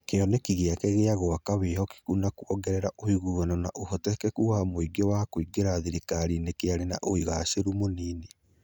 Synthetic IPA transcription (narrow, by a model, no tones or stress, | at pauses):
keɔnekiɣeakɛɣeaɣoakaβeɦɔki̥kunakwɔɡɛɾɛɾaʔohiɣuanɔnaʔohɔtɛkɛkuwamoiɡɔwakoiɡeɾaðiɾekaɾinekeaɾena̰ʔoiɣaʃeɾumoniːne